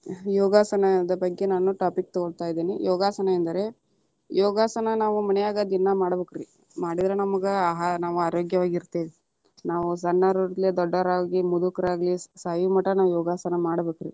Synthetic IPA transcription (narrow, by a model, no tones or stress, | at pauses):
jɔːɡaːsɐnɐd̪ɐbɐɡːe̞naːnuʈaːpik̚ːt̪ɔɡɔɭt̪aːjid̪eːnijɔːɡaːsɐnɐɛnd̪ɐɾe̞ | jɔːɡaːsɐnɐnaːʋumɐnɛjaːɡad̪inːɐmaːɽɐbeːkɾi | maːɽid̪ɐɾenɐmɐɡeɦnaːʋuaːɾoːɡjɐʋaːɡiɾt̪eːʋi | naːʋusɐnːɐɾuɾled̪ɔɖːɐɾaːɡimud̪ukɐɾaːɡɐlisaːjumɐʈːɐnaːʋujɔːɡaːsɐnɐmaːɽɐbeːkɾḭ